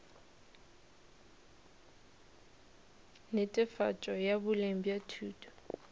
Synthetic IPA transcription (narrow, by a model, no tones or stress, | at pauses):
nɪtʼɪfa̰t͡ʃʼɔjabʊlem̩bjatʰuːtʰʼɔ̥